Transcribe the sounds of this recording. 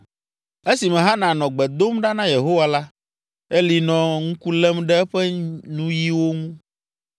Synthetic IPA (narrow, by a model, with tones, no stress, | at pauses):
e˦si˨mɛ̃˨ɦa˦nã˨nɔ̃˨ɡ͡bɛ˨d̪o˦mɖa˦nã˦je˨ɦo˦wa˨la˦ | e˦li˨nɔ̃˨ŋũ˦ku˦lɛ˦mɖɛ˦ɛ˦ɸɛ˦nũ˦ji˦wo˦ŋũ˦